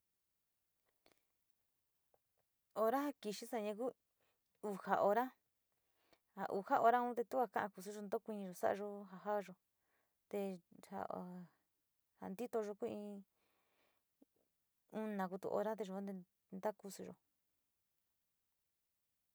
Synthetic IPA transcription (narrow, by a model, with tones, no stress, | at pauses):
o˧ɾa˦ha˧ki˧˨ʃi˧sã˧˨˧ɲã˧k̬u˦ | u˨ha˨ʔo˧ɾa˦ | a˨ʔu˧ha˦ʔo˧ɾa˦ũ˦t̪e˧t̪u˦kʷa˧kã˦ʔã˧ku˧s̬u˦ʒo˧nd̪o˦kʷi˧ɲĩ˧ʒo˨sa̰˦ʔa̰˧ʒo˦ɦa˧ɦa˦˧ʒo˧ | t̪e˧ha̰˨ | ha̰˨nd̪i˦t̪o˧ʒo˧ku˦ĩ˧ | ũ˧nã˨˧k̬u˧t̪ṵ˧ʔo̰˧ɾa˦t̪e˧ʒo˧˦˧ | nd̪a˦ku˧su˧ʒo̰˨